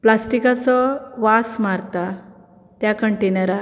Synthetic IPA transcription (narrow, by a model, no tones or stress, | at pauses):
plasʈikat͡sɔʋasmaɾt̪a | t̪jakəɳʈenəɾa